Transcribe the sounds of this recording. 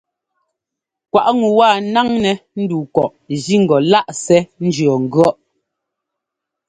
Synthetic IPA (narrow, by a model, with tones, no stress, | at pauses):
kwa˨ʔŋu˨waː˦˨na˦ŋnɛ˨n̩˦duː˨kɔ˨ʔ | zi˦ŋ̩˨ɡɔ˨la˦ʔsɛ˦n̩˦d͡ʒɰɔ˨ŋ̩˨ɡɰɔ˦ʔ